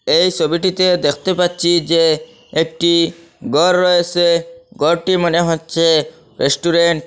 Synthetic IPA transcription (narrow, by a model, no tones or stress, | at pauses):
ejsobiʈit̪ed̪ekʰt̪epatːt͡ʃʰid͡ʒeː | k̚ʈi | ɡɔɾːɔeseɡɔɾʈimɔneɦotːt͡ʃʰe | ɾesʈuɾeɳʈ